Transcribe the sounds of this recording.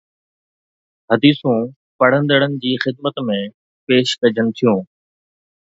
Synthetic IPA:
ɦɐd̪iːsũ | pɐɽ̤ə̃nd̪əɽənɪ̆d͡ʑiːxɪd̪mət̪mẽ | peːʃkɐd͡ʑənɪ̆t̪ʰijũː

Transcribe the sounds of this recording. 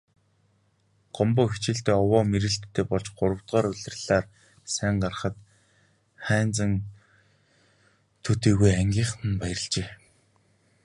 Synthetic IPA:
ɢ̥ɔmpʊːxit͡ɕɪ̆ɬt̪eːɔwɔːmeɾɘ̆ɬt̪ʰːeːpɔɮt͡ɕɢ̥ʊɾə̆wt̪ʁɔːɾʊɮʲɪ̆rɮaːr | sæːŋɢarχə̆t̪ | χæːnt͡sə̆ŋ | t̪ʰɵt̪iːɣujæŋɡʲiːɴχnə̆npæj̆rə̆ɮt͡ɕeː

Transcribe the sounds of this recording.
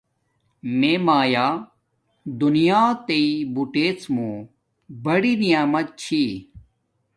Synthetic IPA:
meːmaːjaː | d̪unijaːt̪eibuʈeːt͡smũː | bɐɽiːnijaːmɐt̪̚t͡ɕʰiː

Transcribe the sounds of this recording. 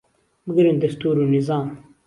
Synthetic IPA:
bəɡəɾind̪ɐst̪uːɾuːnɪzaːm

